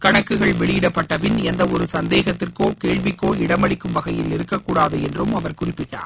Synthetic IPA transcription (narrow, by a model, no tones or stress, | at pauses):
kɐɳɐkːɯɣɐɭʋɛɭɪjɪɽɐpːɐʈːɐpɪnɛnd̪ɐɔɾɯsɐnd̪eːɣɐt̪ːɪrkoːkeːɭʋɪkːoːɪɽɐmɐɭɪkːɯmʋɐɣɐjɪlɪɾɯkːɐkːuːɽaːðɐɛndrɯmɐʋɐɾkʊrɪpːɪʈːa̰ːɾ